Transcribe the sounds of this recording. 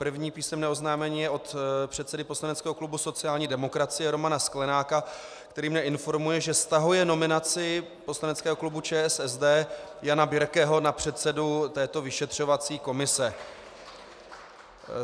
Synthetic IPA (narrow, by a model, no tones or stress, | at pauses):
pr̩vɲiːpiːsɛmnɛːo̞znaːmɛɲiːjɛʔo̞t̪pr̝̥ɛt̪sɛdɪpo̞slanɛtt͡skɛːɦo̞klubuso̞t͡sɪaːlɲiːdɛmo̞kɾat͡sɪjɛɾomanasklɛnaːka | kt̪ɛɾiːmɲɛɪnfo̞ɾmujɛʒɛst̪aɦujɛno̞mɪnat͡sɪ | po̞slanɛtt͡skɛːɦo̞klubut͡ʃɛːɛsɛzdɛːjanabɪɾkɛːɦo̞napr̝̥ɛt̪sɛdut̪ɛːt̪o̞vɪʃɛt̪r̝̥o̞vat͡siːko̞mɪsɛ